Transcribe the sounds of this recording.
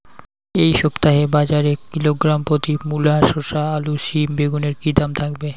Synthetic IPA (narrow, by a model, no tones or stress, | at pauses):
ejʃɔpt̪aɦebad͡ʑaɾekiloɡɾampɾot̪imulaʃoʃaaluʃimbeɡuneɾkid̪amt̪ʰakbe